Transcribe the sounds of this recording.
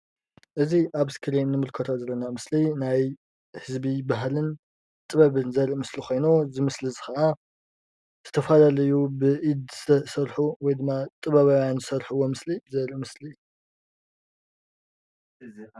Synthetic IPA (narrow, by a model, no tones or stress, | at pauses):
ʔɨziʔaβɨskʰɨɾenːɨmɨlkʰɐt̪ʰozɐlːɐnamɨslinaj | hɨzbibaɦlɨn | t̪ʼɨβɐβɨnzɐɾiʔmɨslixʰo̞jnuzɨmɨslizɨxɐʔa | z̥ɨt̪ʰɐfɐlalɐjubɨʔid̪zɨsɐɾħuwɔjd̪ɨmːat̪ʼɨβɐβawjanzɨsɐɾħɨwo̞mɨslibzɐɾiʔmɨsli